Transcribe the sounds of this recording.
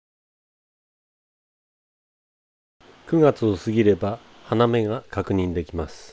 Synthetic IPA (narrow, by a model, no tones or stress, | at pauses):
kɯ̟ɡat͡sɨosɨɡʲiɾe̞ba | haname̞ɡakakɯ̟ɲ̟ĩnd̪e̞kʲimasɨ̥